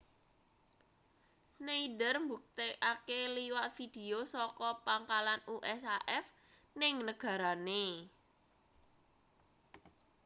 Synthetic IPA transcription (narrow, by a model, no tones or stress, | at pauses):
neidərmbuk̚t̪eʔakeliwat̪̚fid̪̥e̤osɔkɔpaŋkalanuʔɛsaʔɛf | nɪŋnəɡ̥ä̤ɾane